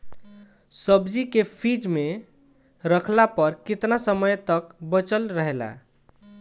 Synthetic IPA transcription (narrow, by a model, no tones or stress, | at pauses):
səbd͡ʒikepʰid͡ʒme | ɾəkʰlapəɾkit̪nasəməjt̪əkbət͡ʃəlɾəɦela̰